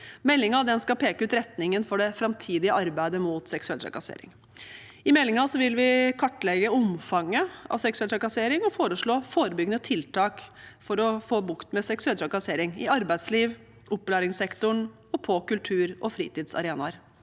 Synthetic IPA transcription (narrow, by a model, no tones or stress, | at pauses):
mɛlːɪŋɑd̪ɛnskɑpʰeːkəʉːt̪ɾɛt̪nɪŋənfɔɖɛfɾɑmt̪ʰiːd̪ɪəʔɑɾbæɪd̪əmʊt̪sɛksʉɛlt̪ʰɾɑ̰kɑsḛːɾɪ̰ŋ | ɪmɛlːɪŋɑsɔʋɪlʋɪkʰɑʈːlɛɡəʊmfɑŋːəɑ̰ʋsɛksʉɛlt̪ʰɾɑkɑseːɾɪŋɔfoːɾəʂɭoːfoːɾəbʏɡənət̪ʰɪlt̪ʰɑːkfɔɾɔfoːbʊkt̪mɛsɛksʉɛlt̪ʰɾɑkɑseːɾɪŋɪɑɾbæɪd̪sliːʋ | ʔʊpːlæːɾɪŋsɛkt̪ʊɳ | ɔpʰɔkʉlt̪ʰʉːɾʔɔfɾḭːt̪iːd̪sɑ̰ɾeːnɑɾ